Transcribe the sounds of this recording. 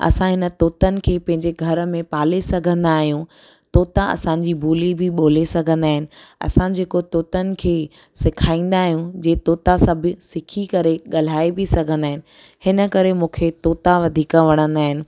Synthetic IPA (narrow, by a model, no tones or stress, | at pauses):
ɐ̰sãɦɪnə̆t̪oːt̪ənɪ̆kʰeːpɐ̃ɦɪ̃ɲd͡ʑeɡʱɐɾmẽpaːlesɐɡʱə̃nd̪aːɦijũ | t̪oːt̪aɐ̰sãɲd͡ʑibʱuːlibʱɪɓoːlesɐɡʱə̃nd̪aːɦɪnɪ̆ɐ̰sãd͡ʑeːkot̪oːt̪ənɪ̆kʰeː | sɪkʰaːĩːnd̪aːɦijũd͡ʑeːt̪oːt̪asɐbʱʊ̆sɪkʰikɐɾeɠɐl̤aːebɪsɐɡʱə̃nd̪aːɦɪnɪ̆ | hɪnəkɐɾemũːkʰet̪oːt̪aʋɐd̪ʱiːkəʋɐɽ̃ə̃nd̪aːɦɪnɪ̆